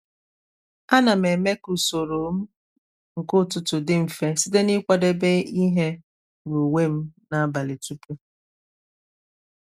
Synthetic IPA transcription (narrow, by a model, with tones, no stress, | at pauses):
a˦na˨me˨me˦ku˨so˨ɾo˨m̩˦ | ŋ̩˨kʊ˦tʊ˨tʊ˨dɪ˦m̩˨fe˦si˦de˦ni˦kʷa˦de˦be˦i˦ɦe˦ | ɡo˨we˦m̩˦na˨˦ba˨lɪ˨tu˦pu˦